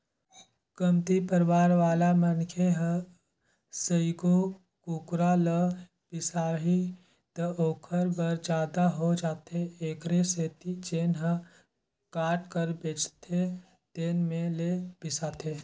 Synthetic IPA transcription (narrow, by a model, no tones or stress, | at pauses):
kəmt̪ipəɾwaːɾʋaːlamənkʰeɦə | səiko | kuːkɾalə | b̥ɪsaːɦi | t̪əoːkʰəɾbəɾd͡ʒaːd̪aɦod͡ʒaːt̪eeːkɾeseːt̪id͡ʒeːnɦə | kaːʈkəɾbeːt͡ʃt̪ʰe | t̪eːnmẽleb̥ɪsaːt̪ʰeː